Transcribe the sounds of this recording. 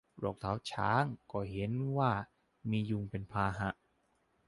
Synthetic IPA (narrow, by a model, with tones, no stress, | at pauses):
ɾɔː˥˩k̚t̪ʰa˩˦˥wt͡ɕʰa̰ː˦˥ŋkɔː˧˥˩ɦe˨˦nwaː˥˩ | miː˧ju˧ŋpe˧npʰaː˧ɦa˧˦ʔ